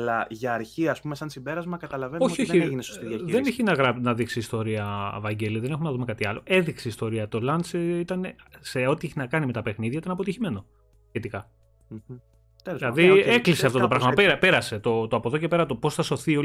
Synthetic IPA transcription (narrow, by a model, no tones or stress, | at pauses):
lɐʝɐːɾçiɐspumesɐnsibe̞ɾɐzmɐkɐt̪ɐlɐveno̞çioçiʝineso̥st̪iðiɐðe̞neçinɐɣɾɐpnɐðiksiːst̪o̞ɾiɐ̰ːvɐɲɟe̞liðe̞ne̞xumenɐðume̞kɐt̪iɐloʔe̞ðiksist̪o̞ɾiɐt̪o̞lɐnsit̪ɐnese̞o̞t̪ieçinɐkɐnime̞t̪ɐpe̞xniðʝɐit̪ɐnɐpo̞t̪içime̞no̞ | çe̞t̪ikɐ | elilɐðiekliseɐft̪ot̪opɾɐɣmɐpeɾpe̞ɾɐse̞t̪o̞t̪oɐpo̞ðo̞ce̞pe̞ɾɐt̪o̞po̞sθɐso̞θio